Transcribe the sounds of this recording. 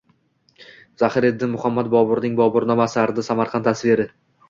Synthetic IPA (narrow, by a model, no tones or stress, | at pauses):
zahɪɾed̪ːɪnmʊhamːat̪̚bɒbʊɾnɪŋbɒbʊɾnɒmasɪaɾd̪ɪsamaɾqʰɑnt̪ʰasɪveɾɪ